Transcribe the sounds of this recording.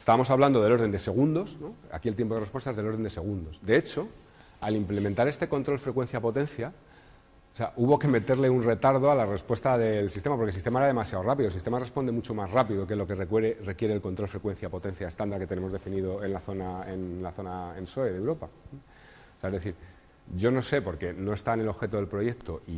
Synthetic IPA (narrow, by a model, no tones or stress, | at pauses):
est̪aβamo̞saβland̪oðelo̞ɾðe̞nd̪e̞se̞ɣ̞und̪o̞sno̞a̰kiet̪je̞mpoðrepwet̪aezðelo̞ɾðend̪ese̞ɣ̞und̪o̞sd̪e̞et͡ʃo̞ | alimple̞mẽnt̪aɾe̞st̪e̞ko̞nt̪ɾo̞lfɾe̞kwe̞n̟θjapo̞t̪e̞nθja | seaʔuβo̞ke̞me̞t̪e̞ɾle̞unre̞t̪aɾð̞oalare̞spwe̞st̪aðe̞lsist̪emapoɾkelsist̪emaeɾaðemasjaorap̬iðolsist̪emare̞spo̞nd̪e̞mut͡ʃo̞mazrapiðok̬ezlo̞ke̞rekeɾere̞kje̞ɾeːlko̞nt̪ɾolfɾe̞kwe̞nθjapo̞t̪ẽ̞n̟θjaest̪and̪aɾket̪ene̞mo̞zðefiniðo̞e̞nlaθo̞naenlaθo̞naenso̞eðewɾo̞pa | seaezðe̞θiɾ | ʝo̞no̞se̞po̞ɾke̞no̞e̞st̪aene̞lo̞βxe̞t̪o̞ðe̞lpɾo̞je̞k̚t̪o̞ʔi